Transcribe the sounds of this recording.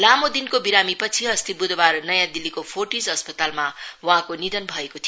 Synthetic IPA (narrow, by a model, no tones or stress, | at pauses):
lamod̪inkobiɾamipʌt͡sʰiɦʌst̪ibud̪barnʌjãd̪ilikopʰoʈid͡zʌspʌt̪almawʌ̃ɦãkonid̪ʌnbʱʌekot̪ʰi